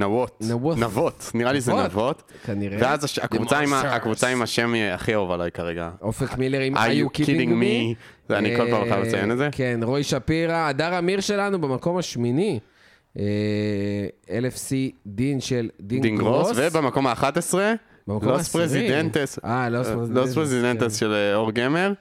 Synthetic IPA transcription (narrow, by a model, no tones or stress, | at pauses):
navot̪naonavot̪niʁalizenavo̞t̪kaniʁevveazaʃakvut͡saimaakvut͡saimaʃemaχiovalajkaʁeɡa̰ofekmileʁimajaukiiiŋɡmi | zanikolpaʁmamet͡sajenetzekenʁojʃapiʁaːdaʁamiʁʃe̞lanubemako̞maʃmini | e | elefsid̪inʃeld̪id̪iŋɡʁosvebemako̞maːχat̪esʁe | bemaklospʁezid̪ent̪esalospʁelospʁezid̪ent̪esʃeloʁɡemeʁ